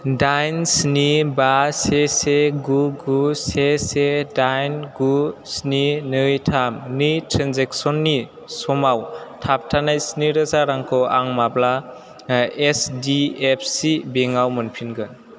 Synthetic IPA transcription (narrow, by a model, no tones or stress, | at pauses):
dajnsnibaseseɡuɡusesedajnɡusninɯjtʰamnitʰɾanzeksɔnːi | sɔmawtʰap̚tʰanajsniɾɯzaɾaŋkʰɔwaŋmabla | esdiepʰsibeŋawmɯnpʰinɡɯn